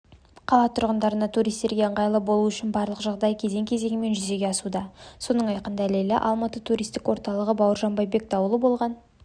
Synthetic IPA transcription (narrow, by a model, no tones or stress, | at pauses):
qʰɑlˠɑt̪ʰʊɾʁənd̪ɑɾənɑt̪ʰuɾijst̪e̞ɾɡʲe̞əɴʁɑjlˠəbo̞lˠuʏʃɪnbɑɾlˠəqʒɑʁd̪ɑjkʲʰe̞ze̞ŋkʲʰe̞ze̞ŋɪme̞nʒʏze̞ɡʲe̞ɑsud̪ɑso̞nəɴɑjqənd̪ælelɪ̰ʔɑ̰lˠmɑt̪ət̪ʰuɾijst̪ɪkwo̞ɾt̪ɑlˠəʁəbɑwəɾʒɑnbɑjbe̞k̚d̪ɑwəlˠəbo̞lˠʁɑn